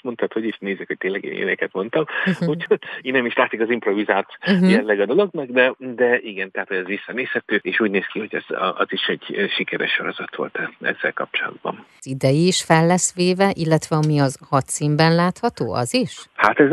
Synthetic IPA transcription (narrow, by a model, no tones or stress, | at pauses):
mo̞nt̪ʰɒt̪ho̞ɟiʃneːzikhoc̚t̪eːlɛɡḛːnḛːnɛkɛt̪mo̞nt̪ɒmuchoinːɛmiʃlaːt̪sikɒzimpɾo̞vizaːlt̪jɛlːɛɡɒd̪o̞lo̞ɡnɒɡd̪ɛd̪ɛiɡɛnt̪ɛɦat̪ho̞ɟɛzʋisːɒneːshɛt̪øːeːʃuːɟneːskiho̞ɟɛz̥ɒziʃɛɟʃikɛɾɛ̰ʃːo̞ɾo̞zɒt̪ʋo̞̰lt̪ɛɛ̰zːɛ̰lkɒp̚t͡ʃolɒ̰d̪bɒ̰nzid̪ɛjiːʃfɛlːɛsʋeːvɛʔilːɛt̪ʋɛɒmiɒzhɒt̪simbɛnlaːt̪hɒt̪o̰ːɒ̰ziʃhat̪ɛz